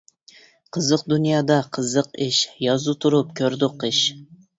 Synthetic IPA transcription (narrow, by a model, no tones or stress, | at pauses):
qʰəzəq̚d̪unjɑːd̪ɑqʰəzəqɪʃjɑzut̪ʰuɾup̚kʲʰøɾd̪ʊqɪʃ